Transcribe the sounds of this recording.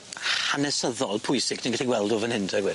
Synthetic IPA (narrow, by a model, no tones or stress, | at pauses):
hanɛsəðɔlˠpʰʊjsɪɡnʰiɡaɬiɡwɛlˠdovənhɪntʰɛɡwɪ